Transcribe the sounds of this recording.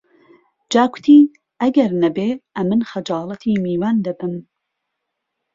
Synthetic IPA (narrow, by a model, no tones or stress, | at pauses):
d͡ʒaːɡʷʊ̥t̪ʰiː | ʔɐɡɐɾnɐbeːʔɐmɨnxɐd͡ʒɑːlˠɐt̪ʰiːmiːwand̪ɐbɨm